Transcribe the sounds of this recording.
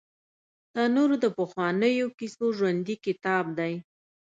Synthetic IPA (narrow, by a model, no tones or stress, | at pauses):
d̪̥ɑnoɾod̪əpəxwɑnəjokisoʒwand̪ikɪt̪ɑb̚d̪aj